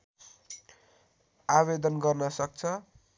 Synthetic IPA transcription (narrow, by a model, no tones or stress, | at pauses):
aβed̪ʌnɡʌrnʌsʌk̚t͡sʰʌ